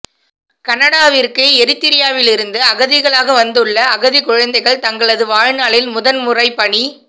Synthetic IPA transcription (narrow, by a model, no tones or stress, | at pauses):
kɐnɐɽaːʋɪrkɐɛɾɪt̪ːɪɾɪjaːʋɪlɪɾɯnd̪ɯɐɣɐðɪɣɐɭaːɣɐʋɐnd̪ɯɭːɐːɣɐðikʊɻɐnd̪ɐɪɣɐɭt̪ɐŋɡɐɭɐðɯʋaːɻnaːɭɪlmʊðɐnmʊrɐɪpːɐɳi